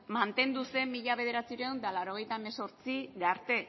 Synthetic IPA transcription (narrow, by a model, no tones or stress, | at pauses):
mant̪e̞nd̪use̞mːiʎaβe̞ð̞e̞ɾat͡siɾewnd̪alaɾoɣ̞e̞jt̪aemeso̞ɾt͡siɣaɾt̪e̞